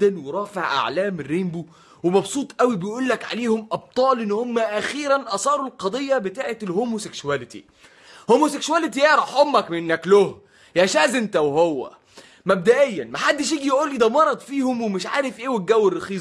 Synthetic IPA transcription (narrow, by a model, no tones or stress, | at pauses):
ænweɾˤɑːfeʕʔa̰ʕlæːmerːembu | wemɑbsˤuːt̪ˤʔæwibejʔuːlːækʕa̰leːhomʔɑb̚t̪ˤɑːlʔenːhomːæʔæxiːɾænʔɑsˤɑːɾˤulqɑd̪ˤejːɑbet̪aːʕet̪lhoːmoseksuwælet̪ḭ | homoseksuwælet̪̬ijeʕɾˤɑħʔomːækmenːækloh | jæʃæːzent̪æwhowːæ̰ | mæb̚d̪æʔejːænmaħad̪ːeʃ̬jiːɡijʔuːlːiːd̪æmɑɾˤɑd̪ˤfiːhomwemeʃʕaːɾefʔeːweɡæwːerːexiː